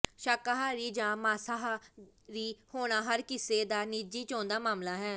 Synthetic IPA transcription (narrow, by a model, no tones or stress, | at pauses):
ʃaːkaɦaːɾiːd͡ʒãːmaːsaɦ | ɾiːhoːɽ̃aːɦəɾkɪseːd̪aːniːd͡ʒiːt͡ʃõːnd̪aːmaːmlaːɦɛː